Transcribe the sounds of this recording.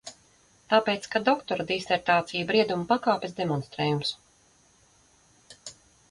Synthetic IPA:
t̪aːpeːt̪skad̪ɔkt̪ɔɾad̪isɛɾt̪aːt̪sijubɾiɛd̪umupakaːpʲɛsd̪ɛmɔnst̪ɾɛːjums

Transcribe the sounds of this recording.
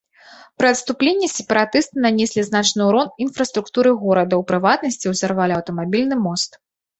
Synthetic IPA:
pɾɨɐt̪st̪uplʲenʲːɛsʲɛpɐɾat̪ɨst̪ɨnanʲɛsʲlʲiznat͡ʂnɨwɾɔnin̪fɾɐst̪ɾukt̪uɾɨɣɔɾɐd̪ɐwpɾɨvat̪̚nɐsʲt͡sʲiwzarvalʲɐwt̪ɐmabʲilʲnɨmɔst̪

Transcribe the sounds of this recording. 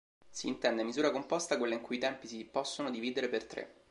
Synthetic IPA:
siːnt̪ɛnd̪emizuːɾakompɔst̪akwelːaiŋkuit̪ɛmpisipɔsːonod̪iviːd̪eɾepert̪ɾḛ

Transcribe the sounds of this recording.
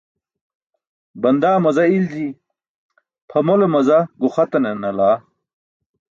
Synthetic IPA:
bɐnd̪aːmɐzɐild͡ʑi | pʰɐmolomɐzɐɡuχɐt̪ɐnenɐlaː

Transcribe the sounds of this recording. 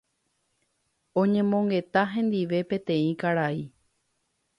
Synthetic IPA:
õɲẽ̞mõŋɡe̞t̪aɦẽ̞nd̪iʋe̞pẽ̞t̪ẽ̞ĩkaɾai

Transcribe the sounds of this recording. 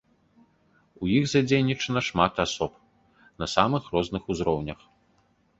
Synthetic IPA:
ujiɣzad͡zʲejnʲit͡ʂɐnɐʂmat̪asɔp | nɐsamɨxrɔznɨxuzɾɔwnʲɐx

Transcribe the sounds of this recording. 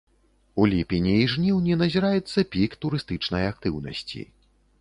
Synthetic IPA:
ulʲipʲinʲiːʐnʲiwnʲɛnɐzʲiɾajɛt̪sːɐpʲikt̪uɾɨst̪ɨt͡ʂnɐjak̚t̪ɨwnɐ̰sʲt͡sʲḭ

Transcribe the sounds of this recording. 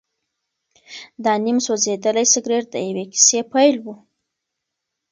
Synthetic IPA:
d̪ɑnimsozed̪əlajsəɡɾeɾd̪ə̰jaweki̥sepajlwu

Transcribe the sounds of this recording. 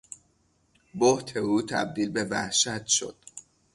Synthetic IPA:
boht̪ʰe̞uːt̪ʰæ̰b̚d̪iːlbe̞væ̰hʃæt̪ʰʃo̞̰d̪̥

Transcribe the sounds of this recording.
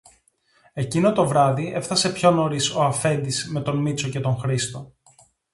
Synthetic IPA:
e̞cino̞t̪o̞vɾɐðie̞fθɐse̞pço̞no̞ɾiso̞ɐfe̞nd̪isme̞t̪o̞nmit͡so̞ce̞t̪o̞ŋxɾist̪o̞

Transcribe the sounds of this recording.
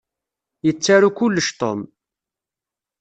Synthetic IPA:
jət͡sːaɾukʊlːəʃt̪ˤo̰m

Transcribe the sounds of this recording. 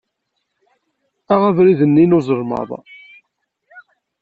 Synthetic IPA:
æʁævɾiðənːinʊzˤəɾˤmɑ̰ðˤ

